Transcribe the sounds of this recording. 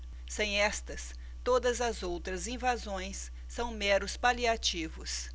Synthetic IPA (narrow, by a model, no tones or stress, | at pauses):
sẽj̃ɛst̪ɐs | t̪od̪ɐzɐzowt̪ɾɐzĩvazõj̃sː | ɐ̃w̃mɛɾʊspaliat͡ʃivʊs